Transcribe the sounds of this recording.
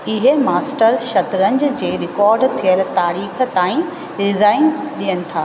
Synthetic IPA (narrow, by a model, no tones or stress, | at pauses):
ɪɦemaːsʈəɾʃɐt̪ɾə̃ɲd͡ʑd͡ʑeːɾɪkɔːɾɖt̪ʰijəl̆t̪aːɾiːxt̪aːĩ | ɾɪzaːɪnɗijənɪ̆t̪ʰaː